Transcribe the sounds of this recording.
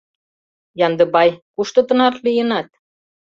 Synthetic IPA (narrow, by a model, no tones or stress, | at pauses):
jɑnd̪ə̆bɑjkuʃt̪ɤ̆t̪ə̆nɑrlijənɑt̪̚